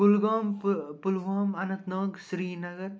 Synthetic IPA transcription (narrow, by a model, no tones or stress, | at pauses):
ulɡoːmpulʋoːmɐnɐt̪noːɡsɾiːnɐɡɐɾ